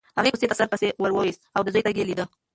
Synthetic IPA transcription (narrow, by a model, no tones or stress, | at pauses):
haɣeɡust̪et̪asaɾpəsewəɾwəwisawd̪əzojt̪aɡelid̪ə